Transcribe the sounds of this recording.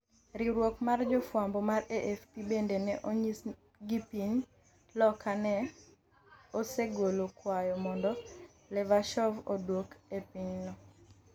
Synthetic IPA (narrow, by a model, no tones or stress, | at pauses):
ɾiɾwokmard͡ʒɔfwambɔmaɾeʔɛfpibendenɛʔoɲi | ɡipiɲ | lɔkanɛ | oseɡolokwajɔmɔndɔ | lɛvaʃɔvodwokepiɲnɔ